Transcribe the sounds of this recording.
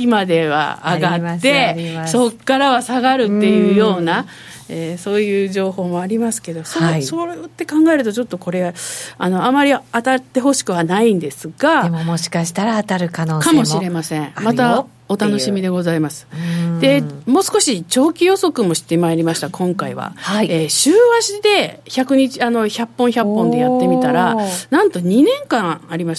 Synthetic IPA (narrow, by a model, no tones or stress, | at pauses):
imad̪e̞βa̰ːɡaːe̞so̞kːaɾaβasaɡaɾɯ̟t̪ːe̞jɯ̟ːjo̞ːna | eːso̞ːjɯ̟ːd͡ʑo̞ːho̞ːmo̞aɾʲimasɨ̥ke̞d̪o̞sosoɾt̪ːe̞kãŋɡaeɾɯ̟t̪o̞t͡ɕo̞t̪ːo̞ko̞ɾe̞aano̞amːaɾʲiat̪at̪ːe̞ɦo̞ɕi̥kɯ̟βanaĩnd̪e̞sɨɡ̥aemmoɕi̥kaɕi̥t̪aɾaːt̪aɾɯ̟kanoːkamo̞ɕiɾe̞masẽ̞mat̪a | o̞t̪ano̞ɕimʲid̪e̞ɡo̞zaimasɨ̥d̪̥e̞mo̞ːsɨ̥ko̞ɕit͡ɕo̞ːkʲijo̞so̞kɯ̟mo̞ɕi̥t̪ːe̞maeɾʲimaɕi̥t̪akʰõ̞ŋkaiβa̰aieːɕɨːβaɕid̪e̞çakɯ̟ɲ̟it͡ɕiano̞çapːõçapːõ̞nd̪e̞jat̪ːe̞mʲit̪aɾanãnt̪o̞ɲ̟inẽ̞ŋkãaɾʲima